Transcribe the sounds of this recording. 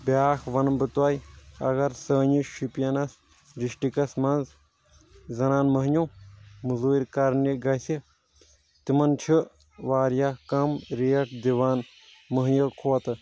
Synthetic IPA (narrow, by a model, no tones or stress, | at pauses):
bjaːkʰʋɐnbɨt̪wɐjɐ̰ɣɐɾsəːɲiʃipijɐnɐs | ɾiʃʈikɐsmɐnz | zɐnaːnmɐɦɲumuzuːiɾkɐɾniɡɐsi | t̪imɐnt͡ʃʰi | ʋaːɾjakɐmɾeːɐʈʰd̪iʋaːn | mɐɦjɐkʰoːt̪ɨ